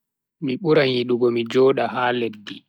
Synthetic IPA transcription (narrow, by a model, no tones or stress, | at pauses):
miɓuɾaɲiɗuɡɔmid͡ʒɔːɗahaːledːi